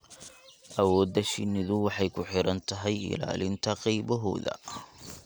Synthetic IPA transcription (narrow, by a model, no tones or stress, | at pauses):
ʔɐwɔːd̪ːɐʃɪnːɪðʊwɑħɑjkʰʊħɪɾɐnt̪ʰɐɦɛjɪ̰la̰ːlɪnt̪ʰɐqɛjβɔɦɔ̰ːðɐ̰